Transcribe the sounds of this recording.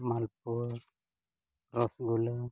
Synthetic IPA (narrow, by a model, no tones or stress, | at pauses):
malp̚uɾ | ɾɔsɡulə